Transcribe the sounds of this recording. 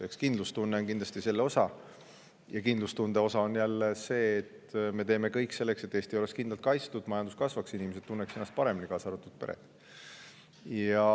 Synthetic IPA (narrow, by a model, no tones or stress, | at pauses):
ekskind̪lust̪unːeoŋkind̪lɑst̪ise̞lːeo̞sɑ | jɑkind̪lust̪und̪̥e̞o̞sɑo̞njælːese̞ːt̪me̞t̪e̞ːme̞kɤjkːse̞lːe̞kset̪ːˑe̞ːst̪io̞le̞skind̪lɑlt̪̚kɑjst̪ud̪̥mɑjɑnd̪̥uskɑsvɑksinimese̞d̪̥̚t̪unːekse̞nːɑst̪̚pɑɾe̞minikɑːsɑɑɾut̪ːˑud̪̥pe̞̰ɾḛt̪ːˑ | jɑ